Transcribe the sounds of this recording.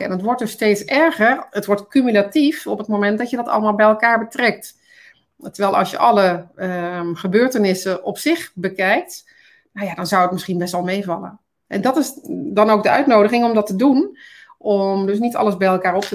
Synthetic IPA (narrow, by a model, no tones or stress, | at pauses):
ɛ̰nətʋɔrtdøsteːtsɛɹɣərətʋɔɹtkymylatifɔpətmomɛnt̚dɔtjədɔtɑ̰lˠəmaːlˠbɛjɛlˠkaːɹbətrɛk̚t | təɹʋɛlˠʔɑ̰lˠsjə̰ʔɑləəxəbøːɹtənɪsəʔɔpsɪxbəkɛjk̚t | najadɔnzawətmɪsχinbɛstɔlˠmeːvɑlˠə̰ | ɛ̰ndɔtɪsdɔnoːk̚dəœɥtnoːwdəɣɪŋɔmdɔtədunʔɔmdøs̬nitɑ̰lˠəsbɛjɛlˠkaːɹɔp̚tə